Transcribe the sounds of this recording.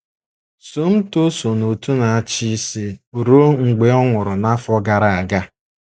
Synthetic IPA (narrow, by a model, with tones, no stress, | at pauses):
so˦m̩˦to˦so˨no˨tu˦na˨a˨t͡ʃi˦si˦o˨ɾo˦ŋ̩˨ɡ͡be˨ɔ˦ŋʷʊ˨ɾʊ˨na˦fɔ˦ɡa˨ɾa˨a˨ɡa˦